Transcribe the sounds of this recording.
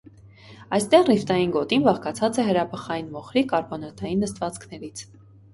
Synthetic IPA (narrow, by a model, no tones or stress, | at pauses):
ɑjst̪ɛʁrift̪ɑjinɡɔt̪inbɑχkɑt͡sʰɑt͡sɛɦəɾɑpʰəχɑjinmɔχɾikɑɾbɔnɑt̪ɑjinːəst̪vɑt͡skʰnɛɾit͡sʰ